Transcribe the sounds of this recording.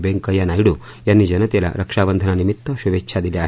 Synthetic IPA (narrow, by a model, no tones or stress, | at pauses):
beŋkɐjanaːjiɽu | jɐnːid͡ʒɐnɐt̪ɐlɐ̰ɾʔɐkʂaːʋɐnd̪ʱɐnɐnimit̪ːɐʃuʋet͡ʃːt͡ʃʰaːd̪ilːjaː